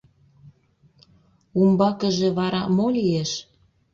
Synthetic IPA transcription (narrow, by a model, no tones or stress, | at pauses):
umbɑkəʒĕβɑɾɑmolieʃ